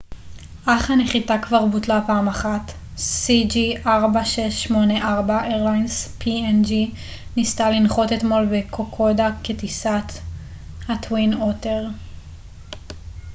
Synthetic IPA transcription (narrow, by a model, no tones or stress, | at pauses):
ʔaχhaneχitakvaʁbutlapaːmaχat | sid͡ʒiʔaʁbaʃeʃːmo̞neʔaʁbaʔeʁlajnspʰiend͡ʒi | nistalinχo̞tet̪mo̞lbekʰo̞kʰo̞daketisat | hatwinoteʁ